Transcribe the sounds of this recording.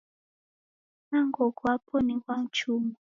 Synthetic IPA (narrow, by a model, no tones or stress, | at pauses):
naŋɡɔkɔapʰonikwaŋ̩t͡ʃuːmɔ